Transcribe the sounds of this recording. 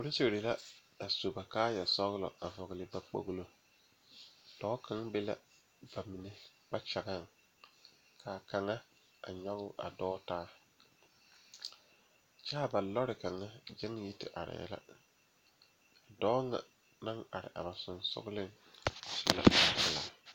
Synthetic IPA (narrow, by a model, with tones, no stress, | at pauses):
o˨ɾɪ˦t͡ʃe˦˨ɾi˨la˦ | a˨so˨ba˨kaː˦jɛ˨sɔ˦ɣlɔ̰˨ʔa˨vɔ˨ɣlɪ˨ba˦k͡po̰˦ɣlo˨ | d̥ɔː˦kʰa˦ŋbe˦la̰˦ | ba˨mi˨ne˨ | k͡pa˦t͡ʃa˨ɡa˦˨ŋ | kʰaː˨ka˨ŋa˦ | a̰˨ɲɔ˦ɣʊ˦ʔa̰˨dɔː˦taː˦ | t͡ʃaː˦ba˨lɔ˦ɾɪ˨ka˨ŋa˦d͡ʒɛ˦ŋji˦tɪ˨ʔa̰˨ɾɪ̰˨jɛ̰˦la̰˦ | a˨dɔː˦ŋa̰˨ | na˦ŋa˨ɾɪ̰˨ʔa˨ba˨sʊ˨nsʊ̰˦ɡlɪ˦ŋ˨ | sɪ˦la̰˨˦˨la̰ː˨